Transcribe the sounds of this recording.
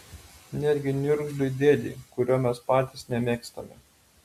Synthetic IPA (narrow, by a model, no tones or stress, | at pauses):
nʲæːd̪ʲɡʲɪnʲʊɾɡʲlʲʊd̪ʲeːd̪ʲḭːkʊɾʲoːmʲɛspɑːt̪ʲiˑsnʲɛmʲeːkst̪ɐmʲɛ